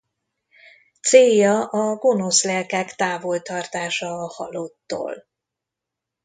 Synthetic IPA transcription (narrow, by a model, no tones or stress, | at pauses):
t̪seːjɒʔɒɡo̞no̞slɛlkɛkt̪aːvo̞lt̪ɒrt̪aːʃɒːhɒlot̪ːo̰ːl